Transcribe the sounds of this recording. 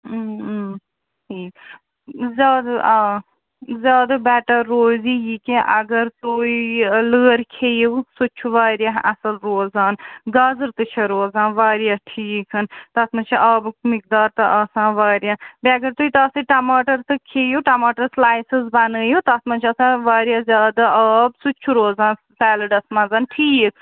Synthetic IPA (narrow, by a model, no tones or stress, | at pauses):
ʈʰiːk | zʲaːd̪ʔ | zʲaːd̪ɐbɛːʈɐɾːoːziːjikẽʔɐɡɐɾt̪uiləːɾkʰeːjewsut͡ʃʰuʋaːɾjaːɦʔɐsɐlɾoːzaːnɡɐzɨɾt̪ɨt͡ʃʰɐɾoːzãːnʋaːɾjaːʈʰiːkɐnt̪ɐt̪ʰmɐt͡ʃʰiʔaːbmik̚d̪aːɾt̪ɐʔɐsãːʋaːɾjaːbiɐɡɐɾt̪uit̪ɐsɨʈɐmaːʈɐɾt̪ɨkʰeːjuʈɐmaːʈɐɾslaːjsɨzbɐnəːjut̪ɐt̪ʰmɐnt͡ʃʰɐsãːʋaːɾjaːzʲjaːd̪aɐːbsut͡ʃʰuɾoːzaːn | sɛːlɐɖɐsmãnzaːnʈʰiːkʰ